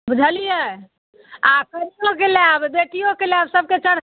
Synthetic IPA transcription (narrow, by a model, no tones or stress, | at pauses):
bəd͡ʒʱəlijɛ | akəɾijokelabd̪eʈijokeleabsəb̚ʱket͡ʃəɽ̤